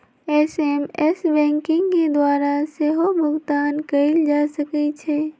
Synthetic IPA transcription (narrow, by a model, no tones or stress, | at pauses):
ɛsɛmɛsbɛ̃ːŋkɪ̃ŋɡked̪waːɾaseɦobʱʊɡt̪aːnkɐɪld͡ʒaːsəkit͡ʃʰɛː